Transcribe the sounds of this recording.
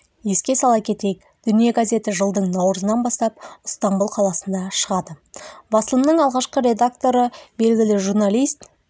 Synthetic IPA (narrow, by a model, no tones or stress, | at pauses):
je̞skʲe̞sɑlˠɑkʲʰe̞t̪ejk | d̪̥ʏnije̞ɡazʲe̞t̪ɪʒəlˠd̪əɴnɑwɾəzənɑnbɑst̪ɑp̚ʊst̪ambulˠqʰɑlˠɑsənd̪ɑʃəʁɑd̪əbɑsəlˠəmnəɴɑlˠʁɑʃqəɾe̞d̪akt̪o̞ɾəbe̞lɡʲɪlɪʒurnalijst̪